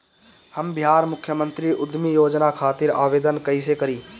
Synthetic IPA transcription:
həmbɪɦaːɾmʊkʰjəmə̃nt̪ɾiʔʊd̪ʱmijoːd͡ʒnakʰaːt̪ɪɾaːʋeːd̪ənkəisekəɾiː

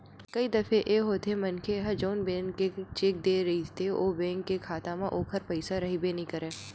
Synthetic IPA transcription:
kɐid̪ɐfʰeʔeːɦoːt̪ʰemɐnkʰeɦɐd͡ʒoːnbɛ̃ːŋet͡ʃek̚d̪eːɾɐɦit̪ʰeoːbɛ̃ːŋkːekʰaːt̪ãmãʔoːkʰəɾpɐɪsaɾɐɦibenĩkɐɾeː

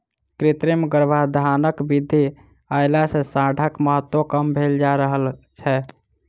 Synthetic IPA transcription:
kɾit̪ɾemɡəɾbʱad̪ʱanəkbid̪ʱːi | ajlasẽsaɖʱəkməɦət̪wokəmbʱeld͡ʒaɾəɦəlt͡ʃʰɛ

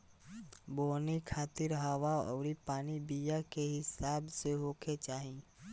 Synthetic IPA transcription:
boːnikʰaːt̪ɪɾɦaʋaɔ̰ːɾipaːnibijakeɦɪsaːbseɦoːkʰet͡ʃaːɦĩ

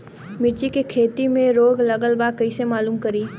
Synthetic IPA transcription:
mɪɾt͡ʃikekʰeːt̪imẽɾoːɡlɐɡəlbakɐisemaːluːmkɐɾiː

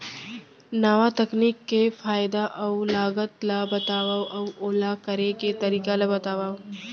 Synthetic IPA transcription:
naʋat̪ɐkniːkːefaːɪd̪aʔɐwlaːɡət̪labɐt̪aːʋaʔɐwoːlakɐɾeket̪ɐɾiːkalabɐt̪aːʋaː

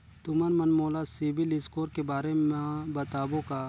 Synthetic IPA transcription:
t̪ʊmənmɐnmoːlasibilɪskoːɾkebaːɾemẽbɐt̪aːbõka

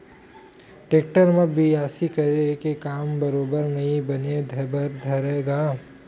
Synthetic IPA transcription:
ʈeːkʈəɾmɐbʱiaːsikɐɾekekaːmbɐɾoːbəɾnɐɦĩbɐned̪ʱɐbɐɾd̪ʱɐɾeːɡaː

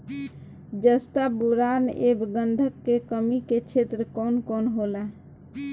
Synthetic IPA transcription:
d͡ʒəst̪abuɾanḛbɡənd̪ʱəkːekəmiket͡ʃʰet̪ɾəkɔnkonɦolɛ

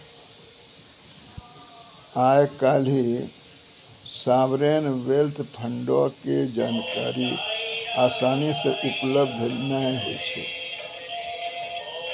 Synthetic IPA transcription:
ajkal̤i | sabɾenʋelt̪ʰpʰəɳɖɔked͡ʒaːnka̰ɾi | asanisẽʔupləbd̪ʱnajɦḛt͡ʃʰɛ̰

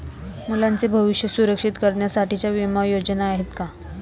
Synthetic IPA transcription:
mulant͡sebʱəʋiʂjəsuɾəkʂit̪kəɾɳjasaʈit͡ɕjaʋimajod͡ʑnaːɦet̪ka

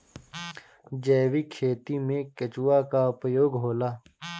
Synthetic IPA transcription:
d͡ʒɛːwikʰeːt̪imẽkɐt͡ʃuwaːkaʊpjoːɡɦoːlaː

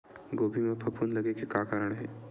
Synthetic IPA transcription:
ɡoːbʱimẽpʰɐpʰuːnlɐɡekekaːkaːɾəɽ̃ɦɛː

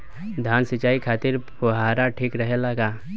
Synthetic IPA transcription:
d̪ʱaːnsɪt͡ʃaːikʰaːt̪ɪɾpʊɦaːɾaʈʰiːkɾəɦelaɡaː

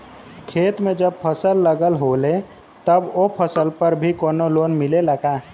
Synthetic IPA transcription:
kʰeːt̪mẽd͡ʒəb̚pʰəsəlːəɡəlɦole | t̪əbopʰəsəlpəɾbʱikoːnolonmileləɡa

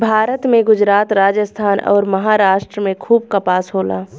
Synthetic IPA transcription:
bʱaːɾət̪mẽɡʊd͡ʒɾaːt̪ɾaːd͡ʒəst̪ʰaːnɔ̰ːɾmɐɦaːɾaːʃʈɾəmẽkʰuːb̚kapaːsɦoːla̰ː

